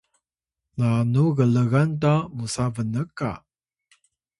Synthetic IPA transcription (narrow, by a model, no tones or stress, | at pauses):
nanuɣələɣantamusavənəkːa̰